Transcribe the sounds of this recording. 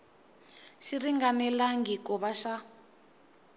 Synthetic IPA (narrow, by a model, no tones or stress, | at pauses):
ʃiriŋɡanɛlaŋɡikɔβaʃa